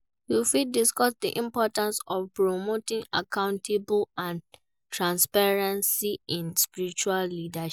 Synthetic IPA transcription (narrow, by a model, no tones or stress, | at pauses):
wifidiskɔsdḭʔĩmpɔtãnsɔfpɹomotĩŋakʰãʊ̃ntʰeblãn | tʰɹãnspaɹãnsiĩnspiɹit͡ʃuallidaʃ